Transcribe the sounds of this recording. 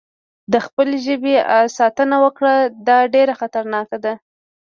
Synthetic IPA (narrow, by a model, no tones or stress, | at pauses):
d̪əxpəleʒəbesɑt̪ənawəkɽad̪ɑɖeɾaxat̪aɾnɑkad̪a